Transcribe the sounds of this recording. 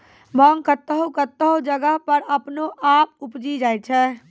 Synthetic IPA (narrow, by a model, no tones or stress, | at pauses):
bʱɔŋkət̪ːəɦokət̪ːəɦod͡ʒəɡəɦpəɾɐpnoʔaːp̚ʊpd͡ʒid͡ʒaːɛt͡ʃʰɛː